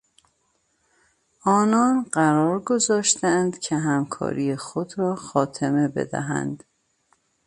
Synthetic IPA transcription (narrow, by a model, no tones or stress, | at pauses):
ʔɒːnɒːnɢæɾɒːɾɡo̞zɒːʃt̪ænd̪cʰeɦæmkʰɒ̰ːɾʔijexod̪ɾɒːxɒːt̪ʰeme̞be̞̰d̪æ̰ɦæ̰nd̪̥